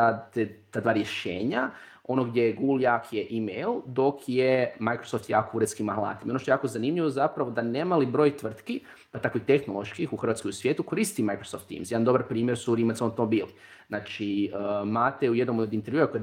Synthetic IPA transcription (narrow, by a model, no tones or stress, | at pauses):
aet̪aːd̪ʋaːɾje̞ʃeːɲa | o̞noɡd̪jejeɡuɡljakʰjeʔimejld̪o̞kʰjemajkɾosoft̪jaːkouɾeskimahlˠa̰ːt̪imo̞noʃt̪ojaːkozanimʎiʋozapɾaʋo̞d̪aneːmalibɾo̞ːjt̪ʋr̩t̪ki | pat̪akʋixt̪e̞xnolˠo̞ʃkixuxr̩ʋat̪kojusʋjeːt̪ukoɾist̪imajkɾosoft̪ːḭːmsjed̪and̪o̞baɾpɾiːmjeɾsuɾimat̪sot̪omobiːli | znat͡ʃimaːt̪eujed̪nomod̪int̪e̞ɾʋjuakoje